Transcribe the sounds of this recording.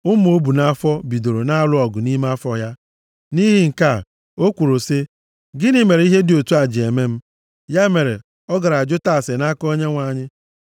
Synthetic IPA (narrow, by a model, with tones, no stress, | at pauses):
ʊ˦m̩˦o˦bu˨na˦fɔ˦bi˨do˨ɾo˨na˦a˦lʊ˦ɔ˨ɡʊ˨ni˦m˦a˦fɔ˦ja˦ | ni˦ɦɪ˦ŋ̩˨ka˦˨ | o˦kʷu˨ɾo˨se˦ | ɡɪ˦ni˦me˨ɾe˨˦i˦ɦe˦dɪ˨o˨tu˦a˨d͡ʒɪ˨e˨me˦m̩˦ | ja˦me˨ɾḛ˨ | ɔ˦ɡa˨ɾa˨d͡ʒʊ˦ta˦˨se˨na˦ko˦ɲe˦ŋʷa˨ɲɪ˦